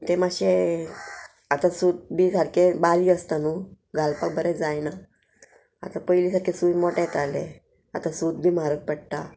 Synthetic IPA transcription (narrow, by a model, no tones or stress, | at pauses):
t̪emaɕe | at̪ãsud̪̚bʱiːsaɽkebaliəst̪anu | ɡʱalpak̚bəɾɛ̃d͡zajna | at̪ãpəjliːsaɽkesujmoʈet̪ale | at̪ãsud̪̚bʱiːmaɾək̚pəɽt̪a